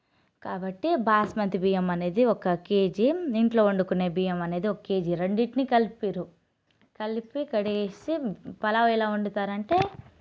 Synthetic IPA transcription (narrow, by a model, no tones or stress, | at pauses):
kaːbɐʈːibaːsmɐnt̪ibiːjɐmɐne̞ːd̪iɔkɐke̞ːd͡ʒiiɳʈlo̞ːuɳɖukune̞ːbiːjɐmɐne̞ːd̪iɔkɐke̞ːd͡ʒiɾeɳɖiʈnikɐlpiɾu | kɐlpikɐɽiesipɐlaʋilaːuɳɖut̪aːɾɐɳʈe̞ː